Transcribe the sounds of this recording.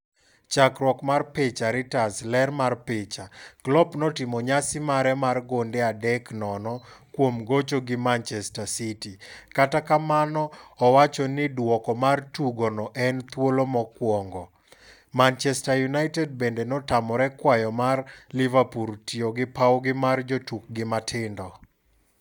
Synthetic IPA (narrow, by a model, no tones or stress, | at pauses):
t͡ʃakɾwɔkmarpet͡ʃaɾɪtaslɛrmarpɪt͡ʃaklɔpnɔtɪmɔɲasɪmaɾɛmarɡondeadɛknɔnɔkwomɡot͡ʃoɡɪmant͡ʃɛstasitikatakamanɔːwat͡ʃɔnɪdwɔkɔmartuɡɔnɔʔɛnt̪wolomɔkwɔŋɡɔ | mant͡ʃɛstajunajtɛd̚bendenɔtamɔɾɛkwajɔmarlivapuɾtioɡɪpawɡɪmard͡ʒotuk̚ɡɪmatʰɪndɔ